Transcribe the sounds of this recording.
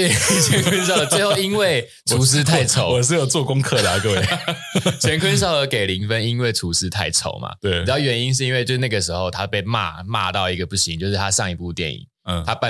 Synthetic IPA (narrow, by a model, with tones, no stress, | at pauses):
t̪we˥˩ɪt͡ɕʰɥɛ˧˦nkʰwə˦˥ns̬ʊ˧˩t͡swwe˥˧xo˥˨ʊi˥nwe˥˩ɪ | tʰu˨s̬̩˥t̪ʰa˥˧ɪt͡sʰo˨˦ɔ˨ʂ̬ɻ̩˥˩jo˨˩ʊt͡swɔ˥˨kʊ˥ŋkʰɤ˥˨˧d̪ə˨˩kə˥˧we˧˩˨ | t͡ɕʰɥɛ˧˥nkʰwə˥˦ns̬ɑ˥˩ʊə˧˦ke˨˩ɪli˧˥ŋfə˦ni˦nwe˥˩ɪʈ͡ʂʰu˧˥s̩˥t̪ʰa˥˩ɪʈ͡ʂʰo̰˨˩˦ʊma̰˨˦e˩˨˩jʊɥɛ˧˥ni˦nʂ̬ɻ̩˥˧i˦nwe˧t͡ɕo˥˧ʂna˥˩ɡə˩ʂɻ̩˧˦xo˥˧ʊt̪ʰa˦˥pe˥˧ɪma̰˥˧ma̰˥˧t̪ɑ˥˩ʊi˧˥ɡə˨pu˥˩ɕi˧˦ŋt͡ɕjo˥˧ʊʂ̬̩˥˩t̪ʰa˦ʂɑ˥˩ŋi˧˥pu˥˧t̪jɛ̰˥˩nḭ˨˩˦t̪ʰa˦pa˥˨